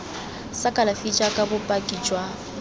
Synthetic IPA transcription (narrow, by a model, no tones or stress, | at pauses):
sakʼalafit͡ʃʼakʼabʊpʼakʼid͡ʒʼwa